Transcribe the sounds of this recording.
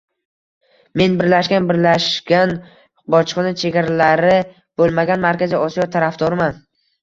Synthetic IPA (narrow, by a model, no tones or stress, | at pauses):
me̞nbɪɾlaʃɡʲanbɪɾlaʃɡʲan | bɒt͡ʃʰqɨnɪt͡ʃʰe̞ɡʲaɾalaɾɪ | b̥olˠmaɡʲanmaɾkʲaziɒsijɒt̪ʰaɾafd̪ɒɾɪman